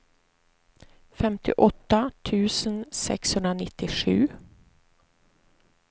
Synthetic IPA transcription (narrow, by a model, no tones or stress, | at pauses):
fɛmt̪ʰɪ̰ʔɔt̪ːat̪ʰʉ̟ːsənsɛ̰kshɵnd̪ɾanɪt̪ːɪʂʉ̟̰ː